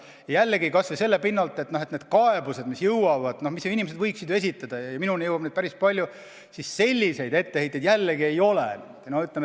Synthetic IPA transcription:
jɑjælːeɡikɑsvese̞lːepinːɑlt̪ːˑet̪no̞ɦet̪ned̪̥kɑe̞buse̞d̪misjɯwwɑvɑd̪̥no̞hmiseinʲimesed̪vɤjksid̪ue̞s̬it̪ːˑɑd̪̥ɑjɑminunejɤwɑbned̪pæɾispɑlʲju | sisːe̞lʲːise̞jd̪̥e̞t̪ːehejt̪ejd̪jælːeɡie̞jo̞lḛnd̪̥nohyt̪leme

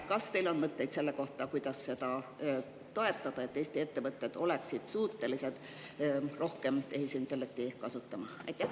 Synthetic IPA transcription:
kɑst̪e̞jlo̞nmɤt̪ːˑe̞jd̪se̞lːeko̞ht̪ɑkujd̪̥ɑsse̞d̪̥ɑ | t̪o̞e̞t̪ːˑɑd̪̥ɑet̪ːejst̪ie̞t̪ːe̞vɤt̪ːˑed̪̥o̞le̞ksid̪̥suːt̪ːe̞lise̞d̪̥ | ro̞hke̞mt̪e̞ɦisint̪ːˑelːek̚t̪ikɑsut̪ːˑɑmɑɑ̰jt̪ːˑæh

